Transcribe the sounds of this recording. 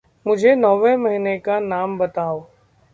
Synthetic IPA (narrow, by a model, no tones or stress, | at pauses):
mʊd͡ʒʱenɔːʋẽmɐɦinekanaːmbɐt̪aːoː